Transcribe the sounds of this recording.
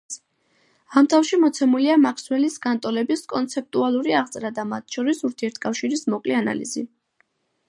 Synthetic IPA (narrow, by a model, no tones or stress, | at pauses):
amt̪ʰafʃimɔt̪sʰɛmuliamakʰswɛlisɡant̪ʼɔlɛbiskʼɔnt̪sʰɛp̚t̪ʼualˠuɾiaʁt̪sʼɾad̪amat̪ʰʃɔɾisuɾt̪ʰiɛɾt̪ʰkʼafʃiɾismɔkʼliana̰lḭzi